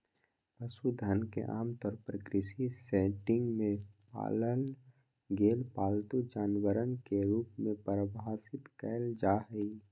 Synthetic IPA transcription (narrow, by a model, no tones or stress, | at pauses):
pəsud̪ʱənkḛʔaːmt̪ɔːɾpəɾkɾɪʃisɛːʈɪ̃ŋɡmẽpa̰ːlən | ɡeːlpaːlt̪ud͡ʒaːnwəɾənkeɾuːpmẽpəɾəbɦaːsɪt̪kɛːld͡ʒaːɦi